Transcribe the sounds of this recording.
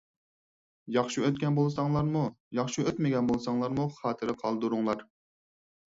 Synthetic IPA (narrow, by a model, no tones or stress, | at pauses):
jɑχʃiøt̪kʲɛnbolˠsɑŋlˠɑɾmujɑχʃiøt̪mɪɡʲɛnbolˠsɑŋlˠɑɾmuχɑːt̪ʰɨɾɪqʰɑlˠd̪uɾuŋlˠɑɾ